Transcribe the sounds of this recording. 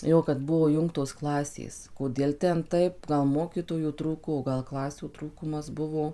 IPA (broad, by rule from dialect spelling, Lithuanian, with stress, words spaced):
ˈjoː kɐt ˈbʊʋoː ˈjʊŋktoːs ˈklˠɑːsʲeːs koːˈdʲiɛlˠ ˈtʲɛn ˈtɐɪp ˈɡɐlˠ ˈmoːkʲiːtoːjuː ˈtruːkoː oː ˈɡɐlˠ ˈklˠɑːsʲuː ˈtruːkʊmɐs ˈbʊʋoː